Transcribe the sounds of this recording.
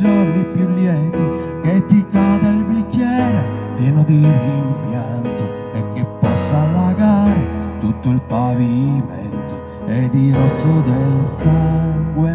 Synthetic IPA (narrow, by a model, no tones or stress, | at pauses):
d͡ʒɔɾnipjulːjɛnt̪i | ket̪ːikːad̪ailbikːjɛɾo | p̪jɛːnod̪irimpjant̪o | ekːepːɔsːalːaɡaɾet̪ut̪ːoilpavimɛ̰nt̪o | ɛd̪iɾɔsːod̪elsaŋɡwe